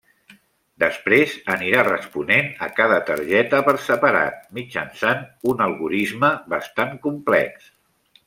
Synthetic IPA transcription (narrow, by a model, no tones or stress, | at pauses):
d̪əspɾezəniɾarəspunenəkaðət̪ə̰ɾʒɛt̪əpəɾsəpəɾa̰t̪̚mid͡ʒə̰nsanunəlˠɣuɾizməβəst̪aŋkumplɛ̰ks